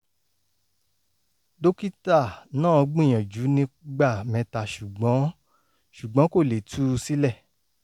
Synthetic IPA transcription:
do˦ki˦ta˦˨nãː˦˨˧ɡ͡bĩ˦˨j̃ã˨d͡ʒu˨˦nĩ˧˦ɡ͡ba˦˨mɛ̃˧ta˨ʃu˨ɡ͡bɔ̃˨˦ | ʃu˨ɡ͡bɔ̃˨˦ko˦˨le˨tʰu˦si˦lɛ˦˨

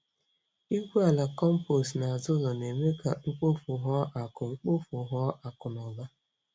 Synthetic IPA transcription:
i˦ɡʷu˦a˨la˨kɔ˦m̩˦po˨sna˨a˨zʊ˦zɔ˨ne˨me˦ka˨ŋ͡m̩˦k͡po˦fʊ˨ɦɔ˦ʔa˨kʊ˨ŋ͡m̩˦k͡po˦fʊ˨ɦɔ˦ʔa˨kʊ˨nɔ˨ba˦

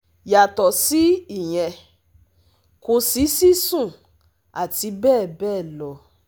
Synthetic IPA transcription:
ja˨tɔ˨si˨˦i˦˨j̃ɛ̃˧ | ko˧si˨˦si˦sũ˦˨ | a˨ti˧˦bɛː˦˨bɛː˦˨lɔ˧

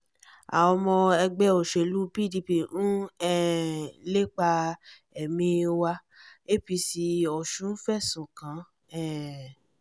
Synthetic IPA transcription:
a̰˨ɔ˧mɔ̃˧ɛ˧ɡ͡bɛ˧˦o˨ʃe˨lu˦pi˦˨di˧pi˦˨nũ˦ɛ˦˨le˦k͡pa˧ | ɛ˨mĩ˧wa˧ | e˦˨pi˧si˧ɔ˨ʃũ˨˦n̩˦fɛ˦˨sũ˨kã˨˦ | ɛ˦˨

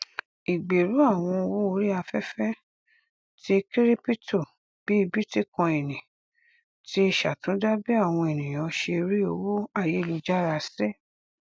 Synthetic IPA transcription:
i˨ɡ͡be˨ɾu˨˦a˦˨w̃ɔ̃˧wo˦o˧˦ɾi˦a˧fɛ˦fɛ˦ | ti˧˦ki˦ɾi˦pi˦to˦˨ | b̥i˨˦i˧bi˦ti˦kã˧e˨nĩ˨ | ti˦e˧ʃa˨tũ˨˦da˦bi˦a˦˨w̃ɔ̃˧e˨nĩ˨j̃ɔ̃˨˧˦ʃe˧ɾi˦o˧wo˦a˦˨je˨˦˨lu˧d͡ʒa˦ɾa˧˨sɛ˦

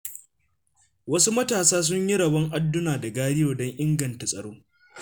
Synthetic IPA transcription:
wɐ˦su˦mɐ˦taː˨saː˦s̬ʊ˦ɲji˦ɽɐ˨bɐ˦ŋʔa˦dːʊ˦naː˨da˨ɡaː˦ɽɪ˦joː˨dɔ˦ɲʔɪ˦ŋɡɐ˨nta˨sʼɐ˨ɽoː˦

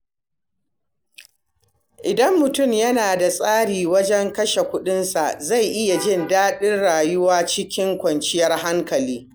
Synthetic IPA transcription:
ʔɪ˨dɐ˦mːʊ˨tʊ˦˨mjɐ˦naː˨da˨sʼaː˦ɽiː˨wɐ˦d͡ʒɛ˦ŋkɐ˦ʃe˨kʷʊ˦ɗɪ˦nsa˨ʔza˦˨jʔɪ˦ja˨d͡ʒɪ˦˨ndaː˦ɗɪ˦nɽaː˨jʊ˦waː˦t͡ʃɪ˦kʲɪ˦ŋkʷɔ˨nt͡ʃɪ˦jɐ˦rɦa˦ŋkɐ˨liː˦

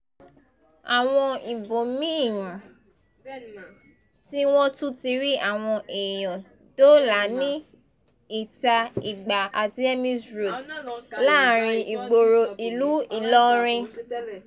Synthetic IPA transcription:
a˨w̃ɔ̃˧i˨bo˨mĩ˦˨jũ˨ | ti˦w̃ɔ̃˦tu˦ti˧ɾi˦ʔa˦˨w̃ɔ̃˧ʔe˨jɔ̃˨ | do˦la˨˦nĩ˦ | i˦˨ta˧i˨ɡ͡ba˨a˨ti˧ɛ˦mĩ˦sɾo˨tla˦ɾ̃ĩ˧i˨ɡ͡bo˨ɾo˧i˨lu˨˦i˦˨lɔ˦ɾ̃ɛ̃˧

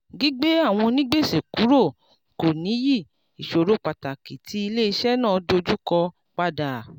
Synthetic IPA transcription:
ɡi˨˦ɡ͡be˦a˦˨w̃ɔ̃˧nĩ˦ɡ͡be˦˨se˨ku˨˦ɾo˦˨ | ko˨nĩ˨˦ji˦˨ | i˨ʃo˨ɾo˧k͡pa˨ta˨ki˨ti˨˦i˧le˦i˧ʃɛ˦nã˦˨˦do˧d͡ʒu˦kɔ˧ | k͡pa˧da˨

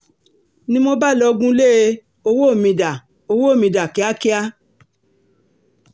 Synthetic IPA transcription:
nĩ˦mo˦ba˦˨lɔ˧ɡũ˦le˦ | o˧wo˦˨mĩ˧da˨ | o˧wo˦˨mĩ˧da˨ki˨˦a˦ki˦a˦

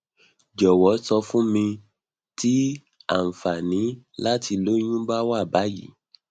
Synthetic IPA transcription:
d͡ʒɔ˨wɔ˨˦sɔ˧fũ˦mĩ˧ | ti˦ | a˦˨m̩˨fa˨nĩ˨˦la˦ti˧lo˦ɲ̃ũ˦ba˦wa˦˨ba˨˦jḭ˨˦

